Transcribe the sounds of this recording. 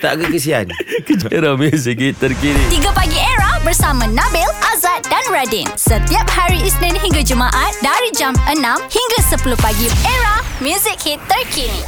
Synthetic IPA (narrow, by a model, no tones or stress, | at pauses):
t̪a̰ʔkakəs̬ia̰nkəd͡ʒeɾamjuzik̚hit̪ːəɾkinit̪iɡapaɡieɾahbərsamãnãbɛlʔazat̪̚danɹadinsət̪iap̚haɾiisnɛ̃nɦiŋɡad͡ʒumaʔat̪̚daɾid͡ʒamʔənãmhiŋɡasəpuluhpaɡieɹamjuzɪk̚hit̪ːərkʰini